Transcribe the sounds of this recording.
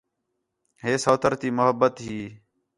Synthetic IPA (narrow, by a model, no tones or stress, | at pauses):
ɦeːsoːt̪ʰəɾt̪iːmʊɦəbːət̪ɦiː